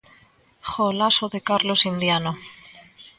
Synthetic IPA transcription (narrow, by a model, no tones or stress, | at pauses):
xolasoðekaɾlosind̪jano